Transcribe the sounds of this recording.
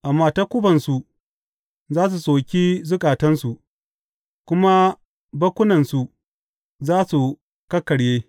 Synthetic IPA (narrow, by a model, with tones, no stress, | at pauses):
ʔa˨mːaː˦ta˦kʷʊ˦bɐ˨nsu˨ | zaː˦s̬u˨soː˨kʲi˦zʊ˦kʼaː˨tɐ˦nsu˨ʔ | kʷʊ˦ma˦ | bɐ˦kʷʊ˦nɐ˨nsu˨ | zaː˦su˨ | kɐ˦kːɐ˨ɽjeː˦